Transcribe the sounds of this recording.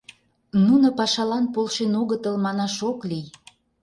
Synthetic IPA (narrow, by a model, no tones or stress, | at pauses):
nunə̆pɑʃɑlɑnpolʃenoɣət̪əlmɑnɑʃoklij